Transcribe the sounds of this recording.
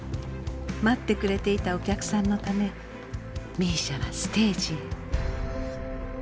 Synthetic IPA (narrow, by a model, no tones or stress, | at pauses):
mat̪ːe̞kɯ̟ɾe̞t̪e̞it̪ao̞kʲakɯ̟̥sãnːo̞t̪ame̞ | mʲiːɕaβasɨ̥t̪e̞ːʑi